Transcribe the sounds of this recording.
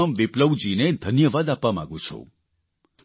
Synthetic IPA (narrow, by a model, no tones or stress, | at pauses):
əmʋipləʋd͡ʒined̪ʱənjəʋad̪apːama̰ɡũt͡ʃʰo̰